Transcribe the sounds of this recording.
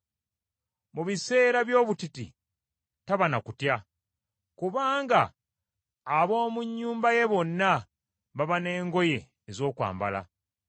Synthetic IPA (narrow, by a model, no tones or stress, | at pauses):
muβise̞ːɾaβjo̞ːβutitḭ | taβanakutja | kuβaːŋɡaː | βo̞ːmuɲːuːmbaje̞βo̞nːa | βaβane̞ːŋɡo̞je̞ː | zo̞ːkwa̰ːmba̰la̰